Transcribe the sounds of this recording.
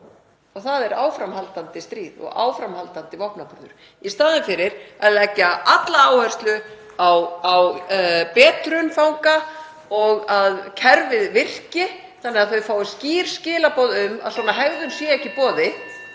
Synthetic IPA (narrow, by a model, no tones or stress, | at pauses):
ɔɣθaðɛɾaːwfɾamhalt̪ant̪ɪst̪ɾiːðɔ̰ɣa̰ːwfɾamhalt̪ant̪ɪvɔhpnapʏɾðʏɾ̥ | ist̪aːðɪnfɪɾɪɾ̥aðlɛcːaat̪laaːwhɛr̥st̪lʏ | awawpɛːt̪ɾʏnfawŋka | ɔɣaðcʰɛɾvɪðvɪr̥cɪ | θanːɛɣaðθœɥfaːwɪsciːɾ̥scɪːlapɔːðʏma̰sɔːnaɦɛɣðʏnsjɛɛhcːɪpɔːðɪ